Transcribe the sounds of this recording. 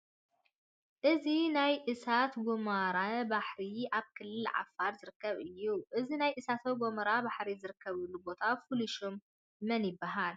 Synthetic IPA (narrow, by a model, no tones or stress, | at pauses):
ʔɨzinajʔɨsat̪ɡomaɾabaħɾiaβkʰɨlːɨlʕa̰faɾzɨɾɨkːɐβʔɨjːuʔɨzinajʔɨsat̪ʰowɡomɐɾabaħɾizɨɾɨkːɐβulːubo̞t̪ʰafuluʃomː | ɐnjɪbːaɦal